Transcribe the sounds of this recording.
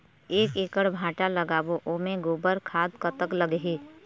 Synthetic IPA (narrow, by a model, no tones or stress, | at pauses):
eːkeːkəɽbʱãːʈaləɡaːboʔoːmẽɡoːbəɾkʰaːd̪kət̪əkləɡɦe